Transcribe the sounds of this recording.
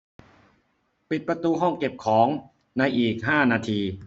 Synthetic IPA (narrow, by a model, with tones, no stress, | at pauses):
pi˨˩t̪̚pɾa˧t̪uː˧ɦɔ˥˩ŋke˨˩p̚kʰɔː˩˦ŋ | na˧jʔiː˨˩k̚ɦaː˥˩naː˧t̪ʰiː˧